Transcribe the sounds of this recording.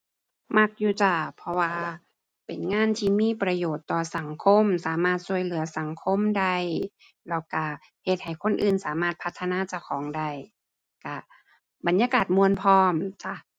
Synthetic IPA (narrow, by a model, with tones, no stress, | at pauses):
ma˧k̚juː˧˩t͡ɕa˧˩pʰɔ˧waː˧ | pe˨nŋaː˧˥˨nt̪ʰiː˧miː˧˥˨pɾa˧joː˨˩t̪ːɔː˨˩sa˨˦ŋkʰo˧˥˨msaː˩˦maː˧˩t̪̚su˧əjlɯ˨˩˦ɐsa˨˦ŋkʰo˧˥˨mda˧˩j | lɛ˧˩wka˧˩ | he˧t̪̚ha˨˩jkʰo˧˥˨nʔɯː˧˩nsaː˨˩˦maː˧˩t̪̚pʰa˧t̪ʰːa˧naː˧˥˨t͡ɕa˧˩kʰɔː˨˦ŋda˧˩j | ka˧˩ | ba˨˦njaː˧kaː˨˩t̪̚mu˧ənpʰɔː˧˩mt͡ɕa˧˩